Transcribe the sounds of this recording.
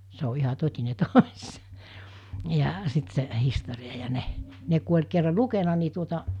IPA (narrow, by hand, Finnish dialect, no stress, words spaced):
se o ihɑ totʲine tosʲ jɑ sit se historiɑ jɑ ne ne ku olʲ kerːɑ lukenɑ ni tuotɑ